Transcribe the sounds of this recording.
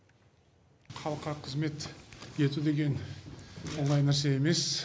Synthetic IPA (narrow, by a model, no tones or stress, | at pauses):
χʰɑlˠəqɑɾɑqʰːəzme̞t̪je̞t̪ud̪e̞ɡʲe̞n | woɴɑjnæɾs̬e̞eme̞s